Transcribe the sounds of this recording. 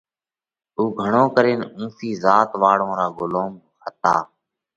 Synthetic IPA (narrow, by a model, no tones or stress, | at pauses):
uːɡʱəɳoːkəɾeːnũːfiːzaːt̪ʋaːɽõːɾaːɡʊloːm | xʰət̪a̰ː